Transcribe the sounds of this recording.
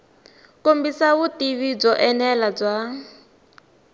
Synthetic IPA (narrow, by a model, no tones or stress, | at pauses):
kombisawutiβib͡ʐɔʔɛnɛlab͡ʐʷa